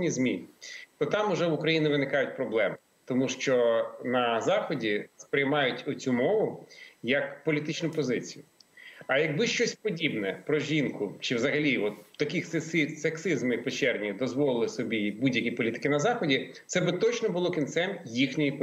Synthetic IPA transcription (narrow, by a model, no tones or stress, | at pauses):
nʲizʲmʲit̪ɔt̪ɑmʊʒɛʋʊkɾɐjinɪʋɪnɪkɑjʊt̚ʲpɾɔblˠɛm | t̪ɔmuʃt͡ʃɔnɐzɑxɔdʲispɾɪjmɑjʊtʲɔt͡sʲumɔʋʊjɐkpɔlʲit̪ɪt͡ʃnʊpɔzɪt͡sʲijʊɐjɐɡ̚bɪʃt͡ʃɔsʲpɔdʲibnɛpɾɔʒʲinkʊt͡ʃɪwzɐɦɐlʲiɔt̪t̪ːɐkʲɪxssɪseksɪzmɪpet͡ʃɛrnʲid̪ɔzʋɔlˠɪlˠɪsɔbʲibudʲjɐkʲipɔlʲit̪ɪ̥kɪnɐzɑxɔdʲi̥ | sɛbɪt̪ɔt͡ʃnɔbʊlˠɔkʲint̪sɛnjixnʲɔjip